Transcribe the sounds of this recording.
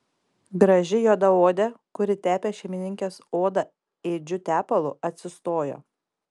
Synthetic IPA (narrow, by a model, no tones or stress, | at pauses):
ɡɾɐʒʲɪjoːd̪ɐoːd̪ʲɛkʊɾʲɪt̪ʲæːpʲeːʃʲɛɪmʲɪnʲɪŋʲkʲeːsoːd̪ɐ | eːd͡ʒʲʊt̪ʲæːpɐlˠʊɐt̪ʲsʲɪst̪oːjo̰ː